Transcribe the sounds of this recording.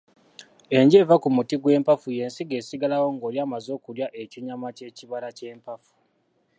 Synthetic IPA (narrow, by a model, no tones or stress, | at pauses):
e̞ɲɟe̞ːvakumutiɡwe̞ːmpafuje̞ːnsiɡe̞ːsiɡalawo̞ŋɡo̞ːljaːmazo̞ːkuljaʔe̞ciɲamace̞ciβalace̞ːmpafu̥